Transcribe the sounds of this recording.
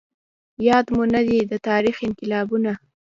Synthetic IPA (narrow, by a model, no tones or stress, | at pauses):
jɑd̪munad̪id̪ət̪ɑɾixɪnqɪlɑbuna